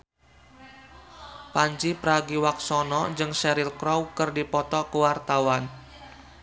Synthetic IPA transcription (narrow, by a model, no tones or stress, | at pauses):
paɲt͡ʃipəɾaɡiwak̚sɔnɔd͡ʒɨŋsɛɾilkɾɔwkərdipɔt̪ɔkəwart̪awan